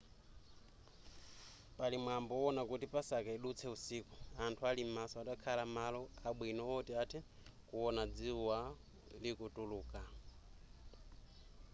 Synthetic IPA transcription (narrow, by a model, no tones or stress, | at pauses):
palimwambɔɔnakutipasakaiɗut͡sʰɛusiːkuantʰualimasɔaɗakʰalamalɔaɓwinɔɔtiatʰɛkuɔnad͡ziwa | likutuluːka